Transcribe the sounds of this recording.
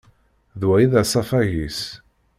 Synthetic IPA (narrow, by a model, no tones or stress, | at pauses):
ðwæjiðæsˤɑfæʝis